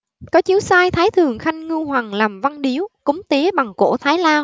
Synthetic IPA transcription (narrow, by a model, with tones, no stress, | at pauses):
kɔ˨˦t͡ɕi˨˦əwsaː˧jt̪ʰaː˨˦jt̪ʰɨ˨˩əŋxa˧jŋ̟ŋɨ˧hwa˨˩ŋlaː˨˩mva˧nɗi˨˦əwkʊ˨˦ŋ͡mt̪i˨˦ɓa˨˩ŋko̰˧˩t̪ʰaː˨˦jlaː˧w